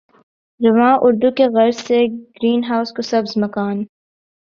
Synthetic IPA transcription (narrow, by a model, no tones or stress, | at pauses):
ɾɐʋãːʔʊɾd̪ukeɣɐɾzseɡ̥ɾiːnɦaːʊskosɐbzmɐkaːn